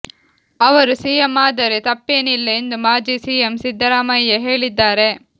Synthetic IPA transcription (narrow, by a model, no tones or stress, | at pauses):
ɐʋɐɾusiːjemːaːd̪ɐɾet̪ɐpːeːnilːɐend̪umaːd͡ʒisiːjemsid̪ʱːɐɾaːmɐjːɐɦeːɭid̪ːaːɾe̞